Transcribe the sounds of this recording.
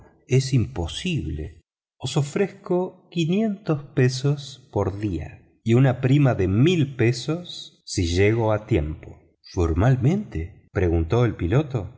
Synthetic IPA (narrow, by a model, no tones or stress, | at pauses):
esimpo̞siβlḛ | osofɾeskokinje̞nt̪ospesospoɾðia̰ | iunapɾimaðemilpe̞sosː | iʒeɣ̞oat̪je̞mpo | foɾmalmẽ̞nt̪epɾeɣunt̪o̞elpilot̪o